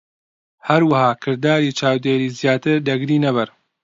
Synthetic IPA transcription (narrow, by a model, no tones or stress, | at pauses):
hɐɾwahaːkʰɨɾd̪aːɾiːt͡ʃaːwd̪eːɾiːzjaːt̪ɨɾd̪ɐɡɾiːnɐbɨɾ